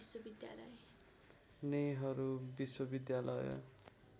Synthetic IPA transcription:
swobid̪ja̰lʌ̰j | nejɦʌɾubiswʌbid̪jalʌj̰

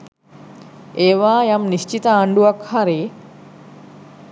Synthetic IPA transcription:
eːʋaːjamnist͡ʃit̪əːɳɖuɐkhaɾeː

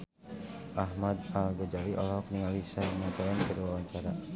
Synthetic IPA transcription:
ʔaɦmad̪alɡɔd͡ʒaliʔɔ̰lɔɦɔk̚niŋalisaŋat̪ajankəɾiwawaɲt͡ʃaɾa

